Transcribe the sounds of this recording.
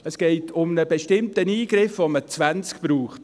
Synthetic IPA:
əsɡ̥ɛɪtʰʊmnəbeʃtɪmtəniːɡɾɪfʋomət͡svænt͡skpɾuːχt

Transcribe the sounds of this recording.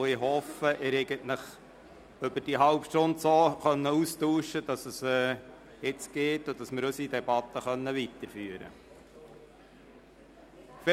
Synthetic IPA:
ɪhɔfəʔɪɾeɪɡəntləχ | øbəd̥iɦɑlpʃtʊndsoːχœnːəustuːʃəd̥ɑsəsɛ | ɪt͡sɡ̥eːtod̥ɑsmɪɾøsidɛbɑt̪ːəχœnːəʋit̪əɾfyːəɾə̰ | fɪ

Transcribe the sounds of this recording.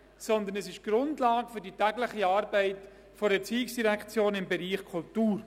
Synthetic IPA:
sɔnd̪ənɛsɪʃɡ̥ɾʊndlɑːɡəfʏɾditæɡləχiɑːɾbɛɪt | fɔɾət͡siːɪksd̥iɾɛkt͡sjoːnɪmbɛɾiːχkʰʊltuːɾ

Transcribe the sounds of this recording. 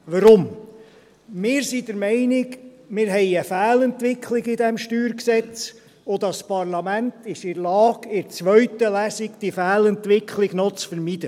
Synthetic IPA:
ʋəɾʊm | mɪːɾsid̥̪əɾmɛɪnɪɡ | mɪːɾɦɛɪəfæːlɛnt̪ʋɪkʰlɪɡɪd̪ɛmʃtyːɾksɛt͡s | od̪ɑspɑɾlɑmænt̪ɪʃɪɾlɑːɡ̥ɪɾt͡sʋœɥt̪əlæsikd̥ifæːlɛnt̪ʋɪkχlɪɡnɔt͡sfəɾmid̪ə

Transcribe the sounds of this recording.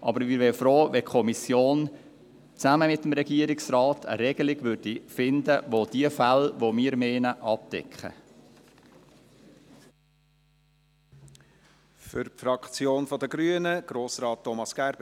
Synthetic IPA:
ʔɑ̰bəɾmɪːɾʋɛːfɾoːʋɛkʰɔmisjoːn | t͡sæməmɪtːmɾɛɡ̥iəɾɪksrɑːtʰə̰ɾɛɡ̥əlɪɡ̥ʋʏɾd̥ifɪnd̪əʋod̥iəfælʋomiːəɾmeːnəʔɑp̚dɛ̰kχə̰ | fʏɾpfɾɑkt͡sjoːnfɔd̪əɡɾyənəɡ̥ɾoːsɾɑːtːɔmɑsɡ̥æɾb

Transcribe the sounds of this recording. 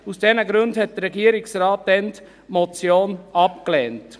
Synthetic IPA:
usd̥ɛnəɡɾʉndhɛt̚d̥əɾɛɡiəɾɪksrɑːtːɛnt | mɔt͡sjoːnɑpklɛːnt

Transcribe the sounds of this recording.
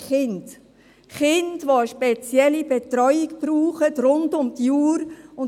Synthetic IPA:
χɪnd | χɪndʋoəʃpet͡sjɛlibetɾɔʏiɡb̥ɾuːχətɾʊndʊmdjuːɾʊn

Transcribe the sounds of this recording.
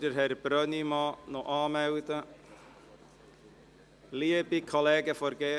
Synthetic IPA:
dəɾhɛɾb̥ɾœnimɑːnoʔɑːmæwd̪ə | liəbikʰɔlɛːɡəfɔɾɡeː

